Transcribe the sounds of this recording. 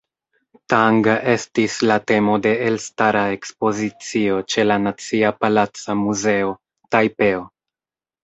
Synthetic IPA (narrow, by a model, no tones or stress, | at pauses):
taŋɡe̞stislate̞mo̞de̞ːlstaɾae̞kspo̞zit͡sio̞t͡ʃe̞lanat͡siapalat͡samuze̞o̞ | tajpe̞o